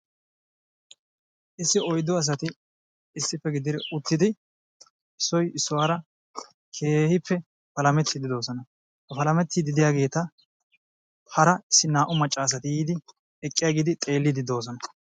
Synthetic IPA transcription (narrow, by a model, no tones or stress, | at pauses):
ʔɪsːɪɔjd̪ːɔɐs̬ɐt̪ɪ | ɪsːɪpːɛɡɪd̪ɪɾɪʔʊt̪ːɪd̪ɪ | ɪsːɔjɪsːɔwaːɾɐ | kʰe̞ːhɪpʰːɛ | pɐlɐmɛt̪ːid̪ɪd̪o̞ːsɔnɐ | hɐpɐlɐmɛt̪ːid̪ɪd̪ɪjaːɡe̞ːt̪ɐ | hɐɾɐɪsːɪnaːʔʊmɐt͡ʃʼːɐːs̬ɐt̪ɪjiːd̪ɪ | ɛkʼːɪjaːɡid̪ɪt̪ʼe̞ːlːɪd̪ɪd̪o̞ːs̬ɔnɐ